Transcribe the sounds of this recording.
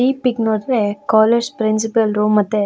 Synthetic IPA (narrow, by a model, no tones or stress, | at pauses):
iːpiknoːɽɾekaːleːd͡ʒpɾins̬ipɐlɾumɐt̪ːe